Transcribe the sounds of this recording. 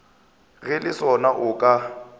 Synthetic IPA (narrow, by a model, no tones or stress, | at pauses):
ɣɛlɪsɔnaʔʊkʼa